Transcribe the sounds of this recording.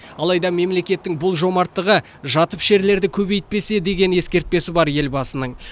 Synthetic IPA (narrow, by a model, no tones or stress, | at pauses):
ɑlˠɑjd̪ɑme̞mle̞kʲe̞t̪ːɪŋbʊlˠʒo̞mɑɾt̪ːəʁə | ʒɑt̪əpʒe̞ɾle̞ɾd̪ɪkʲʰɵbe̞jt̪̚pe̞se̞d̪e̞ɡʲe̞ne̞skʲe̞ɾt̪̚pe̞sɪbɑɾje̞lbɑsənəɴ